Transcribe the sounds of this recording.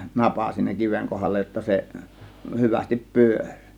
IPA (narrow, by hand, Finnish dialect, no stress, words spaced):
nɑpɑ siːnæ kiʋeŋ kohɑlːɑ jotːɑ se hyʋæstip pyørʲ